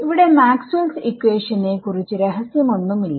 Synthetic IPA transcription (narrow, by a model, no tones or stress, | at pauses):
iʋiɽe̞maːksulsikːʋeːʂɐnekurit͡ɕːuɾeɦɐsjɐmonːumilːa